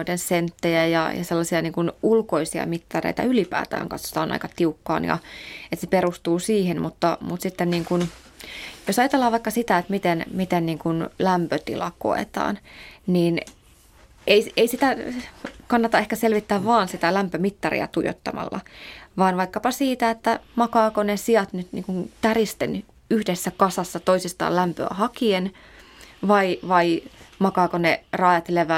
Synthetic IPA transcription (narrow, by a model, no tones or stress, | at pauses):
oit̪ensent̪ːejæjɑ̰jɑ̰selːɑsiɑniːŋkunulkoisiɑ̰mit̪ːɑrḛijt̪ɑ̰ylipæ̰ːt̪æ̰ːŋkɑt̪so̥t̪ɑːonɑ̰ikɑt̪iukːɑ̰ːnjɑ̰et̪seperust̪uːsiːhenmut̪ːɑmut̪sit̪ːenniːŋkun | josɑjɑt̪elːɑːʋɑikːɑsit̪æet̪mit̪enmit̪enniːŋkunlæmpøt̪ḭlɑko̰ḛt̪ɑ̰ːnniːn | eieisit̪æ | kɑnːɑt̪ɑehkæselʋit̪ːæːʋʋɑːnsit̪ælæmpømit̪ːɑrḭæ̰t̪ujo̰t̪ːɑ̰mɑ̰lːɑ̰ʋɑːnʋɑikːɑpɑsiːt̪æet̪ːæmɑkɑːkonesiɑt̪nyt̪nḭːŋkunt̪ærist̪ḛn | yhdesːækɑsɑsːɑt̪oisist̪ɑ̰ːlæmpø̰æ̰hɑkien | ʋɑiʋɑimɑkɑːkonerɑːjɑt̪leʋæ